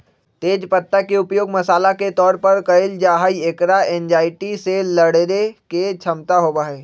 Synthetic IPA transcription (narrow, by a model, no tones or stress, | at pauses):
t̪eːd͡ʒpɐt̪ːakeʊpjoːɡmɐsaːlaket̪ɔːɾpɐɾkɐɪld͡ʒaːɦaːieːkɾaɛːnd͡ʒaːɪʈiselɐɽɾeket͡ʃʰɐmt̪aɦoːbaːɦɛː